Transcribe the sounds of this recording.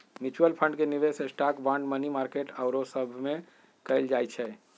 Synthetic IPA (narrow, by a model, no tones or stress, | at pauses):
mit͡ʃuəlpʰə̃ɳɖkeniʋesesʈakbãɳɖmənimaɾkeʈaʊɾosəbʱme | kəɪld͡ʒajt͡ʃʰɛ